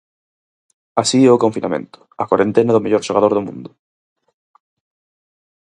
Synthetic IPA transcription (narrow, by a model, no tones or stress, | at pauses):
asiɛʊkõɱfinʔa̰mḛ̃nt̪ʊ̥ɐkwaɾẽnt̪enɐðʊmeʎoɾʃoɣaðoɾðʊmṵ̃nd̪ʊ